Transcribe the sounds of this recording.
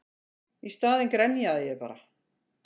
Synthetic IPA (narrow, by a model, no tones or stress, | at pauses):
ist̪aːðɪnkɾɛnjaðɪjɛðpa̰ːɾa